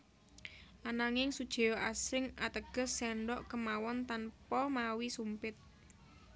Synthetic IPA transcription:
ʔanaŋɪŋsud̥ʒ̥e̤jɔʔasɪŋʔat̪əɡ̥ə̤sːɛɳɖɔʔkəmawɔnt̪anpɔmawisumpɪt̪̚

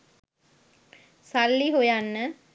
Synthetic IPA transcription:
salːiɦojanːə

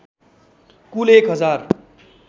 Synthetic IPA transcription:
kulekɦʌd͡zar

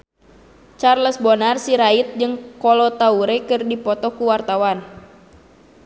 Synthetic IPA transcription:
t͡ʃarləsbɔnarsiɾait̪̚d͡ʒɨŋkɔlɔt̪auɾɛkɨrdipɔt̪ɔkuwart̪awan

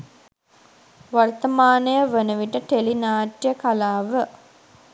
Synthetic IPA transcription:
ʋart̪əmaːnəjəʋənəʋiʈəʈelinaːʈjəkalaːʋə

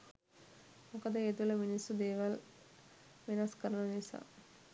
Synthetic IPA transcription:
mokəd̪əet̪uʋləminisːud̪eːʋal | ʋenɐskəɾənənisa̰ː

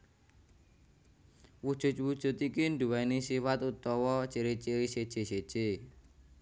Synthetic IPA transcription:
wud̥ʒ̥ʊ̤t̪̚wud̥ʒ̥ʊ̤t̪ikinɖuwainisifat̪ut̪ɔwɔt͡ʃiɾit͡ʃiɾised̥ʒ̥ese̥ʒ̥e

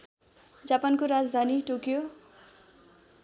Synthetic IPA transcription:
d͡zapankoɾad͡zd̪ʱaniʈokjo

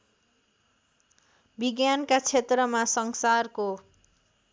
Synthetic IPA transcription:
biɡjankat͡sʰet̪rʌmasʌŋsarko

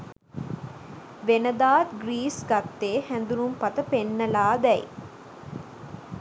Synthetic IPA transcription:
ʋenɐd̪aːt̪ɡriːsɡɐt̪ːeːhænd̪uɾumpɐt̪əpenːɐlaːd̪ɛj

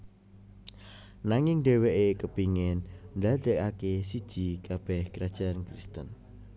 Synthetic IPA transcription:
naŋɪŋɖeweʔekəbiŋɛnnd̪ad̪̥ə̤kakesid̥ʒ̥ikab̥ɛhkɾad̥ʒ̥a̤nkɾist̪ən

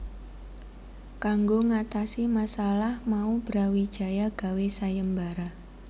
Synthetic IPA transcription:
kaŋɡoŋat̪asimasalahmaub̥ɾawid̥ʒ̥a̤jaɡ̥a̤wesajəmbaɾa

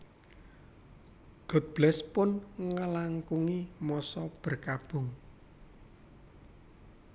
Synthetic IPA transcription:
ɡ̥ɔ̤t̪̚b̥lɛspʊnŋəlaŋkuŋimɔsɔb̥ə̤rkab̥ʊ̤ŋ

